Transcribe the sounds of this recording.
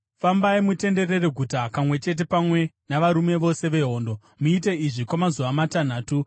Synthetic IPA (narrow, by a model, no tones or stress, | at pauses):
fambaimute̞nde̞re̞reɡʱutakamwe̞t͡ʃe̞t̬e̞pamwe̞ | naʋaɾume̞ʋo̞se̞ʋe̞ɦo̞ːndo̞ | muite̞iʐikwamazuʋamatan̤aːtu